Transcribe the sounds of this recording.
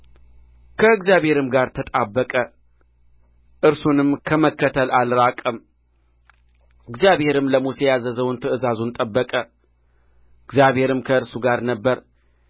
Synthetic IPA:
kʰəɨɡzjaβhe̞ɾɨmɡaɾt̪ʰət̪ʼabːəkʼə | ʔɨɾsunɨmkʰəməkːət̪ʰəlʔalɾakʼəm | ɨɡzijaβhe̞ɾɨmləmusɛjazəzəwnt̪ʰəʔɨzazunt̪ʼəbːəkʼə | ɨɡzjaβhe̞ɾɨmkʰəɨɾsuɡaɾnəbːəɾ

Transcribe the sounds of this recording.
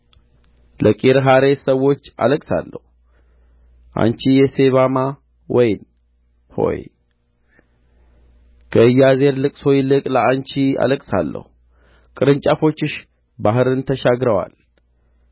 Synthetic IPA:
ləkʼiɾɦaɾe̞səwːo̞t͡ʃːa̰ləkʼsa̰lːə̰hu | ʔa̰nt͡ʃijɛse̞βama | wɔjn | ho̞̰j | kʰəɨjːaze̞ɾlɨkʼso̞jlɨkʼləant͡ʃia̰ləkʼsa̰lːə̰hu | kʼɨɾɨnt͡ʃʼafo̞t͡ʃːɨʃ | baɦɨɾɨnt̪ʰəʃaɡɾəwa̰l

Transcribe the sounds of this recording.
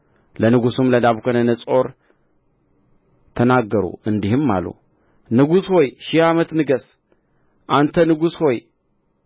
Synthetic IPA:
lɐnɨɡusumlɐd̪aβkʰonɐnɐt͡sʼo̞ɾ | t̪ʰɐnaɡɐɾṵɨnd̪ihɨmːa̰lṵ | nɨɡusho̞jʃɪhamɐt̪nɨɡɐs | ʔant̪ʰɐnɨɡusho̞j

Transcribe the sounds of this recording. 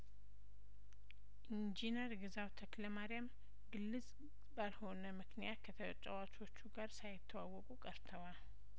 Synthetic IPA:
ʔind͡ʒinəɾɡɨzawt̪ʰəkləmaɾijam | ɡɨlːɨz | balho̞nəmɨknijat̪̚kʰət̪ʰət͡ʃʼawat͡ʃo̞t͡ʃːuɡaɾsajɪt̪ʰːəwawːɔkʼukʼəɾt̪ʰəwa

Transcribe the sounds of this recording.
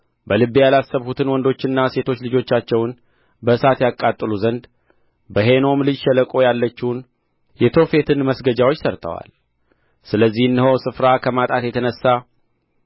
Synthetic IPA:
bəlɨβijalasːəβhut̪ʰɨnwɔnd̪o̞t͡ʃːɪnːase̞t̪ʰo̞t͡ʃːlɨd͡ʒo̞t͡ʃːat͡ʃːɛwn | bəsat̪jakʼat̪ʼːɨluzənd̪ | bəɦe̞no̞mlɨd͡ʒʃɛləkʼo̞jalːət͡ʃːin | jɛt̪ʰo̞fe̞t̪ʰɨnməsɡəd͡ʒawo̞t͡ʃːsəɾt̪ʰə̰wa̰l | sɨləzːihɨnːəɦowsɨfɾakʰəmat̪ʼat̪jɛt̪ʰənəsːa

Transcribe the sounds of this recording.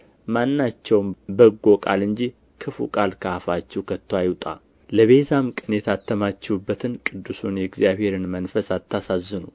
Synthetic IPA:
manːat͡ʃːɛwmbəɡːokʼa̰lɨɲd͡ʒi | kʰɨfṵkʼalkʰəafat͡ʃːɛwkʰət̪ʰːwajɪwt̪ʼa̰ | ləβezamkʼɨnjɛt̪ʰat̪ʰːəmat͡ʃːɛwubːət̪ʰɨnkʼɨd̪ːusunjɛɡzijaβhe̞ɾɨnmənfəsat̪ʰːasazːɨnu

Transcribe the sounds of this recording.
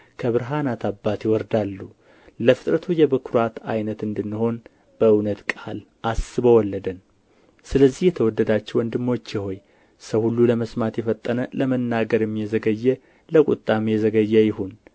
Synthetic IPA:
kʰəβɨɾɦanat̪ʰabːat̪jɪwɔɾd̪alːu | ləfɨ̥t̪ʼɾət̪ʰujɛbɨkʰɾwat̪ajnət̪ɨnd̪ɨnːɨho̞n | b̥əɨwnət̪kʼal | ʔasɨbəwɔlːəd̪ən | sɨləzːihjɛt̪ʰəwɔd̪ːəd̪at͡ʃːɛwɔnd̪ɨmːo̞t͡ʃːjɪho̞j | səwhulːuləməsmat̪jɛfət̪ʼːənələmənːaɡəɾɛmjɛzəɡəjːɛ | ləkʼṵt̪ʼːamjɛzəɡəjːɛjɪhun

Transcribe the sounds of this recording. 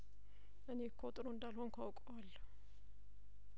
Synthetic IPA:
ʔɨne̞kʰːot̪ʼɾoɨnd̪alhonkʰawkʼwalː

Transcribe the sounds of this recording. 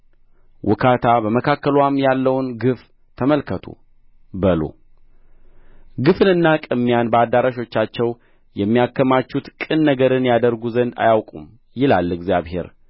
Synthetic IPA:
wʔʊ̰kʰat̪ʰabəməkʰakːəlwamjalːəwnɡɨf | t̪ʰəməlkʰət̪ʰṵ | bəlo̰ | ɡɨfɨnɨnːakʼɨmːijanbəad̪ːaɾaʃo̞t͡ʃːat͡ʃːɛw | jɛmːijakːəmat͡ʃːut̪kʼɨnːəɡəɾɨnjad̪əɾɡuzənd̪a̰jawkʼṵm | jɪlalːɨɡzjaβhe̞̰ɾ

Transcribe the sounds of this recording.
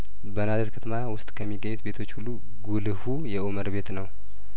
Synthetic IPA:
bənazet̪kʰət̪ʰəmawʊst̪ʼkʰəmːiɡːəɲːut̪be̞t̪ʰo̞t͡ʃːhulːu | ɡulɨhujɛʔuməɾbe̞t̪nəw

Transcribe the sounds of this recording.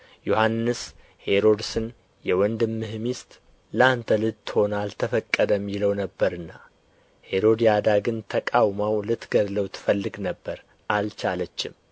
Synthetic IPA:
johanːɨs | he̞ɾo̞d̪sɨn | jɛwɔnd̪ɨmːɨhmist̪ʼ | ləant̪ʰəlɨt̪ːɨ̥ho̞nalt̪ʰəfəkʼːəd̪əmːiləwnəbːəɾɨnːa | he̞ɾo̞d̪jad̪aɡɨnt̪ʰəkʼawmawlɨt̪ɡəd̪ləwt̪ʰɨ̥fəlːɨɡnəbːəɾ | ʔalt͡ʃalət͡ʃːɪm

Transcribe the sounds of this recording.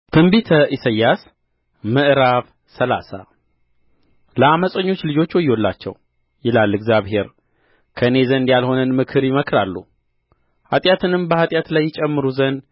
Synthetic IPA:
t̪ʰɨmbit̪ʰəʔisəjːas | mɨʔɾaβ | səla̰sa̰ | ləaməsʼəɲːo̞t͡ʃːlɨd͡ʒo̞t͡ʃːwɔjːo̞lːa̰t͡ʃːɛ̰w | jɪlalːɨɡzʲjaβhe̞ɾ | kʰəɨne̞zənd̪jalho̞nɨnmɨkʰɨɾjɪməkɾalːṵ | hat̪ʼjat̪ʰɨnɨmbəhat̪ʼjat̪lajːɪt͡ʃʼɛmːɨɾuzən

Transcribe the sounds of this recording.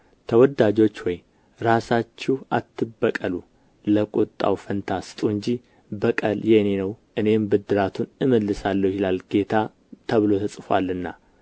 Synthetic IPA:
t̪ʰəwɔd̪ad͡ʒo̞t͡ʃːwɔj | ɾasat͡ʃːɪat̪ʰːɨbːəkʼəlu | ləkʼut̪ʼːa̰wfənt̪ʰasɨ̥t̪ʼuɨɲd͡ʒi | bəkʼəljenenəwʔɨne̞mbɨd̪ːɨɾat̪ʰunɨməlːɨsalːəwhɪlalɡe̞t̪ʰa | t̪ʰəβɨlo̞t̪ʰəsʼfa̰lːɨnːa

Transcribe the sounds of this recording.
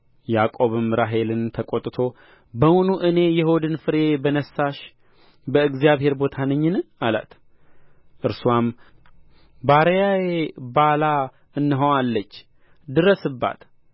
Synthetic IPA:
jakʼo̞βɨmɾaɦe̞lɨnt̪ʰəkʼot̪ʼɨt̪ʰo̞ | bəwunuʔɨne̞jɛɦod̪ɨnfɨɾebənəsaʃ | bəɨɡzijaβhe̞ɾbo̞t̪ʰanəɲːɨnala̰t̪ | ʔɨɾsuam | baɾjajebala | ɨnːɨɦowalːət͡ʃː | d̪ɨɾəsɨbːa̰t̪

